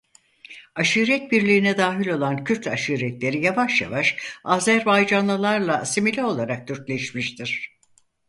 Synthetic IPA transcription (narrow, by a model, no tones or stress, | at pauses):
aʃɯɾɛt̪̚biɾlʲiːnɛd̪aːɦilʲo̞lˠancʰyɾt̪ʰaʃuːɾɛt̪lʲe̞ɾijavaʃja̰vaʃaːzæɾbajd͡ʒanlˠɯlˠaɾlˠasimilʲɛo̞lˠaɾak̚t̪ʰyɾclʲɛʃmiʃt̪ʰiɾ̥